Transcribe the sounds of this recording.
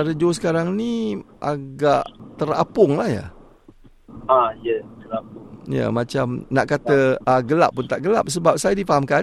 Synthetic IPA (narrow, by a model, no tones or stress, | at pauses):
aɾəd͡ʒos̬ə̥kaɾaŋnĩʔaɡaʔt̪əɾa̰pʊŋlahja̰ | ajət̪əɾap̚ʊjə̰mãt͡ʃamnaʔkat̪əaɡəla̰p̚ːʊnt̪aʔɡəlap̚səbap̚sajadifaɦamka